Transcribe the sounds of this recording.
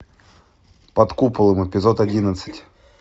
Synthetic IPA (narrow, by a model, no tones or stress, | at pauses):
pɐt̪kupəlˠɨməpʲɪzot̪ɐdʲinət̪sɨ̥tʲ